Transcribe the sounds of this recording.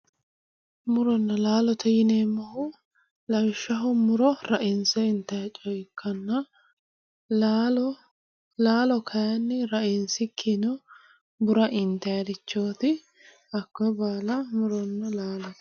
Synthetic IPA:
mʊɾɔnːɐlaːlɔt̪ɐjɪneːmːɐhʊ | lɐwɪʃːɐɦʊmʊɾɔɾɐʔɪnsɛɪnt̪ːɐjt͡ʃʼɔjkʰːɐnːɐ | laːlɔkʰɐjɐnːɪɾɐʔɪnsɪkʰːɪnɔ | bʊɾɐʔɪnt̪ɐjɐd̪ɪt͡ʃːoːt̪ɪ | ɐkːɔbaːlɐmʊɾɔnːɐlaːlɔ

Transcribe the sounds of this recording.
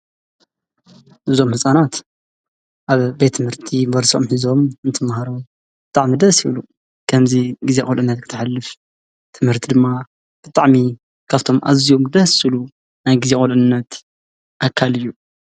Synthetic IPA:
ʔɨzo̞mhɨsʼanat̪ | ʔaβbe̞t̪ʰːɨmhɨɾt̪ʰibɐɾsomħizo̞mɨnt̪ʰɨmhaɾu | b̥ɨt̪ʼaʕmid̪ɐsjiβlu | kʰɐmziɡizekʼolʔɨnːɐt̪kʰɨ̥t̪ʰɨħalːɨf | t̪ʰɨmhɨɾt̪ʰid̪ɨmːa | b̥ɨt̪ʼaʕmi | kʰaβt̪ʰo̞mʔa̰zijomd̪ɐsilu | najɡizekʼolʔɨnːɐt̪ | ʔakʰːalɨjːu

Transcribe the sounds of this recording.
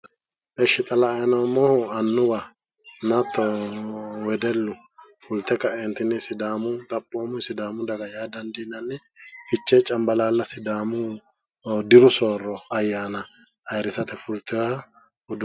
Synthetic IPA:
ɛʃːɪt̪ʼɐlɐːjɐnɐmɔhɐnːʊwa | nɐt̪ːɔ | wɛd̪ɛlːʊ | fʊlt̪ɛkːɐʔɛnt̪ːɪnːɪsɪd̪aːmʊt̪ʼɐpʼːoːmʊsɪd̪aːmʊd̪ɐɡɐjaːd̪ɐnd̪ɪnːɐnːɛfɪt͡ʃːɛt͡ʃʼɐmbɐlaːlːɐsɪd̪aːmʊ | d̪ɪɾʊsoːɾːɔɐjːaːnɐ | ɐjɾɪsɐt̪ɛfʊlt̪ːɪwa | ʊd̪

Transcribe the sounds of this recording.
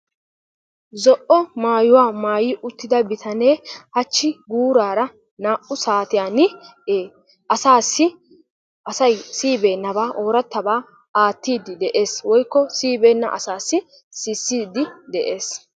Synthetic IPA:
zɔʔɔmaːjʊwaːmaːjɪːʔʊt̪ːɪd̪ɐbɪt̪ʰɐneːhɐt͡ʃːɪɡuːɾaːɾɐ | naːʔʊsaːt̪ɪjaːnɪeː | ɐsaːsːɪ | ʔɐsɐjsiːbe̞ːnːɐbaːʔoːɾɐt̪ːɐbaː | aːt̪ːiːd̪ɪd̪ɛʔe̞ːswɔjkːɔsiːbeːnːɐ̰ʔɐ̰saːsːɪ | sɪsːiːd̪ɪd̪ɛʔe̞ːs

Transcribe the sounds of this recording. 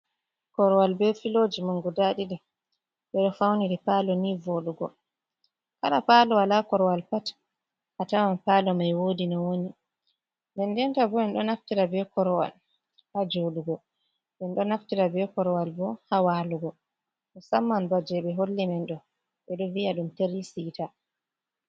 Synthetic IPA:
kɔɾɔwalbɛfilod͡ʒimuŋɡudaɗiɾi | ɓɛɗɔfawniɾipalɔnivoɗuɡɔ̰ | kaɗapaːlɔwalakɔɾɔwalpat | hatawanpalɔmajwodinawoni | ndɛndɛntabɔɛnɗɔnaftiɾabɛkɔɾɔwa̰l | had͡ʒoɗuɡɔ | ɓɛnɗɔnaftiɾabɛkɔɾɔwalbɔhawaluɡɔ | ɗɔsamːanbad͡ʒɛɓɛɦolːimɛnɗɔ | ɓɛɗɔvijaɗumteɾisita

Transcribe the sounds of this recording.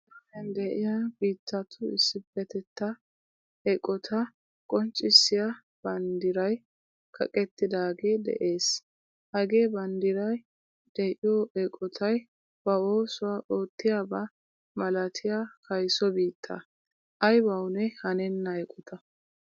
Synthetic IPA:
ɐɪjɐnd̪ɛʔɪjabiːt̪ːɐt̪ʰʊɪ̰sːɪbːɛt̪ɛt̪ːɐ | ɛkʼːɔt̪ʰɐ | kʼɔnt͡ʃʼːɪsːɪjɐ | b̥ɐnd̪ɪɾɐj | kʰɐ̰kʼɛt̪ːɪd̪aːɡe̞ːd̪ɛ̰ʔe̞ːs | hɐɡe̞ːbɐnd̪ɪɾɐj | d̪̥ɛʔɪjoɛkʼːɔt̪ʰɐj | b̥ɐoːsʊwaʔo̞ːt̪ːɪjaːba | mɐlɐt̪ʰɪjakʰɐjsɔbiːt̪ʰːɐ̰ | ʔɐjbɐwnɛhɐnɛnːɐɛkʼːɔt̪ʰɐ

